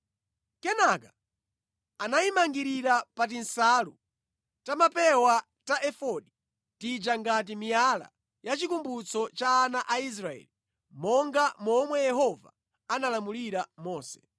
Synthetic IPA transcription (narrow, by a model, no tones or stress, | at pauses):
kɛnaka | anaimaŋɡiɾiɾapat̬insalu | tamapɛwa | taʔɛfɔɗi | tid͡ʒaŋɡat̬imijala̰ | jat͡ʃikumbut͡sʰɔt͡ʃaːnaʔais̬ɾaɛ̰ːli | mɔŋɡamɔmwɛjɛɦɔva̰ | analamuliɾamɔːsɛ̥